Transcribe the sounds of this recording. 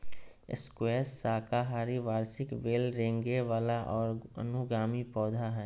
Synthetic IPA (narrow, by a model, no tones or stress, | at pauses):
ɪ̰skweːsːaːkaɦaːɾiʋaːɾsɪkʋeːlɾẽːŋɡeʋaːlaʔɔːɾɐə̰nʊɡaːmipɔːd̪ʱaɦɛː